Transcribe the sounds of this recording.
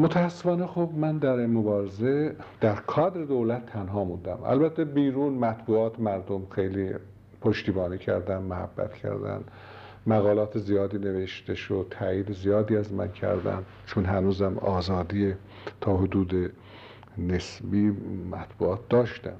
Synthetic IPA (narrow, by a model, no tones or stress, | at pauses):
mot̪ʰææsːefɒːnexobmænd̪æɾimobɒːɾezed̪̥æɾkʰɒːd̪ɾed̪owlæt̪ʰːænɦɒːmund̪æmæ̰lbæt̪ʰːebiːɾuːnmæt̪ʰbuːɒːt̪ʰemæɾd̪omxe̞jliː | pʰoʃt̪iːbɒːniːcʰæ̰ɾd̪ænmohæ̰bːæ̰t̪cʰæ̰ɾd̪æ̰n | mæɣɒːlɒːt̪ʰezijɒːd̪iːne̞veʃt̪eʃod̪̚t̪ʰæjiːd̪ezijɒːd̪iːæzmæncʰæ̰ɾd̪æ̰n | t͡ʃʰonɦænuːzæmɒːzɒːd̪iːe | t̪ʰɒːɦod̪uːd̪e | nesbiːmæt̪ʰb̥ṵːɒːt̪̚ʰd̪ɒːʃt̪æ̰m